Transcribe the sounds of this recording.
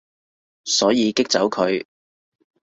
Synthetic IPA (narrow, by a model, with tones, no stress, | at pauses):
sɔː˨˥jiː˨˧kɪ˥k̚t͡sɐ˨˥wkʰɵ˨˧ɥ